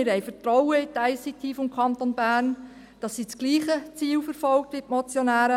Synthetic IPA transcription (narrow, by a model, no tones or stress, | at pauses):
ɪɾhɛjfətɾɔʊəɪtaɪsitʰifɔmkʰɑnt̪onbæːrn | d̥ɑsːit͡sɡ̥liːχət͡siːlfəɾfɔlk̚tʋɪtmɔt͡sjonæːɾə